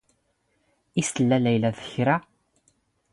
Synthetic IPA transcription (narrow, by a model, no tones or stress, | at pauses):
isəlːælæjlæðə̥çɾa